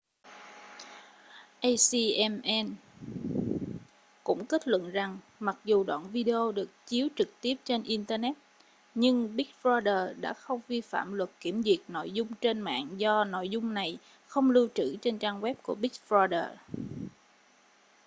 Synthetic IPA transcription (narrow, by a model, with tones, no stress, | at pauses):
ʔə˧jsi˧ʔɛ˧mʔɛ˧n | kʊ̰˧˥ŋ͡mki˦˥t̚lwə̰˧˨nza˨˩ŋ | ma˨˩k̚zu˨˩ɗwa̰ː˧˨nvi˧ɗe˧o˧ɗɨ˨˩ək̚t͡ɕi˨˦əwt͡ɕɨ˨˩k̚t̪i˦˥əp̚t͡ɕe˧nʔi˧nt̪əː˧nɛ˦˥t̚ | ɲɨ˧ŋɓi˦˥k̚fɹɔ˧jɗəː˨˩ɗa̰ː˧˥xə˧wŋ͡mvi˧fa̰ː˧˨mlwə˨˩t̚ki˧˩əmzi˨˩ək̚no̰˧˨jzʊ˧ŋ͡mt͡ɕe˧nma̰ː˧˨ŋzɔ˧no̰˧˨jzʊ˧ŋ͡mna˨˩j | xə˧wŋ͡mlɨ˧wt͡ɕɨ̰˧˩t͡ɕe˧nt͡ɕaː˧ŋɣwɛ˦˥p̚ku˧˩əɓi˦˥k̚fɹɔ˧ɗəː˨˩